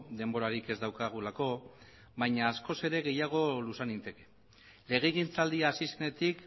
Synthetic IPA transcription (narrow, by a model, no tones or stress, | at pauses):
d̪e̞mbo̞ɾaɾike̞zd̪awkaɣ̞ulako̞ | βajɲaːsko̞se̞ɾe̞ɣe̞jaɣ̞o̞lusanint̪e̞ke | le̞ɣ̞e̞ɣint͡sald̪iaːsise̞ne̞t̪ik